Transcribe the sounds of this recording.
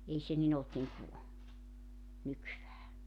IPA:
ei se nin olt niŋku nykyʋæː

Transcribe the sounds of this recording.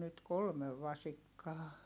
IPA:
nyt kolmeʋ ʋɑsikːɑː

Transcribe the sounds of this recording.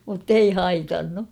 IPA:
mutːei hɑitɑnːu

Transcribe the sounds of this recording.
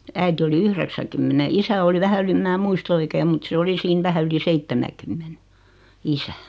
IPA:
æiti oli yhreksækymːene isæ oli ʋæhæ yli ĕm mæː muist oikeːm mut se oli siːn ʋæhæ yli seitːemækymːene isæ

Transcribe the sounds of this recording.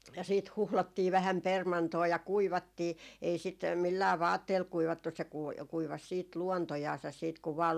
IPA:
jɑ siːt huhlotːiː ʋæhæm permɑntoː jɑ kuiʋɑtːiː ei sit milːæː ʋɑːtːeːl kuiʋɑtːus se kui kuiʋɑs siːt luontojɑːsɑs siːt kuʋ ʋɑː

